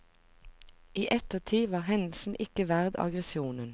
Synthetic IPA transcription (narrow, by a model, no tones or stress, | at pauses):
iːʔɛt̪əʁt̪ʰiːʋɑːʁhɛnl̩sn̩ʔɪkəʋæʁd̪ɑ̰ɡʁɛsɪuːnən